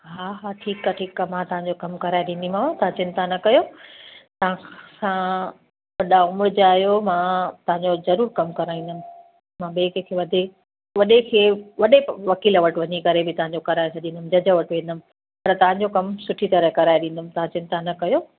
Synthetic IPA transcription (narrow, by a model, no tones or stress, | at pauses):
ɦaːɦaːʈʰiːkaːʈʰiːkːaːmãːt̪ɐɦãɲd͡ʑokɐmkɐɾaːeɗĩːn̆d̪imãt̪ɐʋãt͡ɕɪnt̪anɐkɐjo | t̪ɐʋãsã | ʋɐɗaʊmɾʊd͡ʑaːɦijomãːt̪ɐʋãɲd͡ʑozɐɾuːɾkɐmkɐɾaːĩːn̆d̪əmɪ̃̆ | mãːɓeːkekʰeːʋɐd̪ʱe | ʋɐɗekʰeːʋɐɗeʋɐkiːlʋɐʈʋɐɲikɐɾebɪt̪ɐʋɦãɲd͡ʑokɐɾaːjesʰɐɗĩnd̪əmd͡ʑɐd͡ʑəʋɐʈʋẽːnd̪əmɪ̃̆ | pɐɾt̪ɐʋ̤ãɲd͡ʑokɐmsʊʈʰit̪ɐɾəkɐɾaːeɗĩːn̆d̪əmɪ̃̆t̪ɐɦãt͡ɕɪ̃nt̪anɐkɐjoː